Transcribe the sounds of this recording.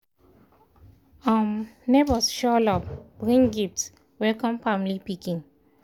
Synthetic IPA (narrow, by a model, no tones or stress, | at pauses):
amnebɔsʃɔlɔp̚b̥ɹĩŋɡift | wɛlkɔ̃mfamlipikĩŋ